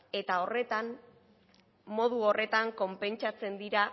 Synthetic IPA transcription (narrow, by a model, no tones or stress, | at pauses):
e̞t̪ao̞re̞t̪am | mo̞ðuo̞re̞t̪aŋko̞mpe̞nt͡ʃat͡se̞nd̪iɾa